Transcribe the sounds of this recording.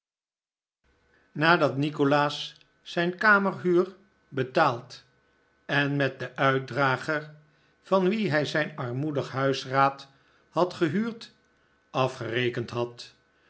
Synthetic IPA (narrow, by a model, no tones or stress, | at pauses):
naːdɑtnikolaːsː | ɛjnkaːməɹɦyːɹ | bətaːlˠt | ɛnmɛt̚dəʔœɥ̚draːχəɹ | v̥ɑnʋiɦɛjzɛjnɑɹmudəχɦœɥsraːt | hɑtχəɦyːɹt | ɑfχərejkəntɦɑt